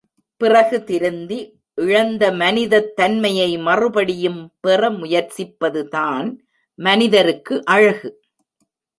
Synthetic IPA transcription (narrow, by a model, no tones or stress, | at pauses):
pɪrɐɣɯt̪ɪɾɯnd̪i | ʔɪɻɐnd̪ɐmɐnɪðɐt̪ːɐnmɐjɐɪmɐrɯbɐɽɪjɯmpɛrɐmʊjɐɾt͡ʃɪpːɐðɯt̪aːn | mɐnɪðɐɾɯkːɯʔɐɻɐɣɯ